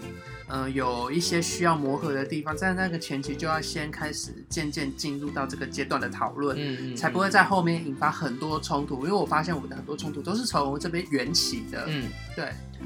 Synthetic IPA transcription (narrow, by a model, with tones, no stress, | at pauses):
ə˧jo˨˩ʊi˥˩ɕjɛ˥ɕy˥jɑ˥˩ʊmwɔ˧˥xɤ˧˥d̪ə˧t̪i˥˩fɑ˨˦ŋt̪a˥˧na˥˩ɡə˩t͡ɕʰjɛ˧˥nt͡ɕʰi˧˥t͡ɕjo˥˧ʊjɑ˥˩ʊɕjɛ˦˥nkʰa˥ɪʂɻ̩˨˩t͡ɕjɛ˥˧nt͡ɕjɛ˥˧nt͡ɕi˥˧nɻu˥˧t̪ɑ˥˧ʊʈ͡ʂɤ˥˩ɡə˩t͡ɕjɛ˥t̪wa˨˩nd̪ə˦t̪ʰɑ˨˩ʊlwə˥˩nt͡sʰa˧˥ɪpu˧˥xwe˥˧ɪt͡sa˥˧ɪxo˥˧ʊmjɛ˥˩ni˨˩nfa˥xə˨˩nt̪wɔ˦˥ʈ͡ʂʰʊ˥ŋt̪ʰu˨˥i˥nwe˥˩wɔ˨˩fa˦˥ɕjɛ˥˩nwɔ˨˩d̪ə˦xə˨˩nt̪wɔ˥ʈ͡ʂʰʊ˥ŋt̪ʰu˧˥t̪o˥ʊʂɻ̩˥˩ʈ͡ʂʰɤ˧˥ŋwə˧˥ʈ͡ʂɤ˥˩p̬jɛ˥nɥɛ˧˥nt͡ɕʰi˨˩˦d̪ə̰˦ | t̪we˥˩ɪ